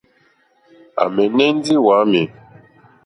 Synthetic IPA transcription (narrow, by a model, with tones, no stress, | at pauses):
a̰˨mɛ˨nɛ˦n˦di˦wa˨˦mɛ˨